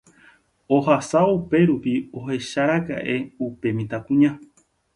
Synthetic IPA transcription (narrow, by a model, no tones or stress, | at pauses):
ohasaupe̞ɾupiohe̞ʃaɾaka̰ʔe̞upe̞mĩt̪akũɲã